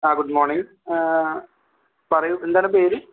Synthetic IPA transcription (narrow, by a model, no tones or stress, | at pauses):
aːɡuɖmoːrɳiŋɡ | pɐrɐjuend̪aːnɨpeːɾɨ